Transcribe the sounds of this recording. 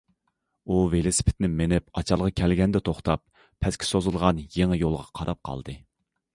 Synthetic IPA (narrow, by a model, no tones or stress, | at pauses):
uvelɪsɪ̥pʰɪ̥t̪nɪmenɪpɑt͡ʃʰɑlˠʁɑkʲʰɛlɡʲɛnd̪ɛt̪ʰoχt̪ɑp̚ʰ | ɛskʲʰɪ̥sozɨlˠʁɑnjeŋɪjolˠʁɑqʰɑɾʔɑp̚qʰɑ̰lˠd̪ɨ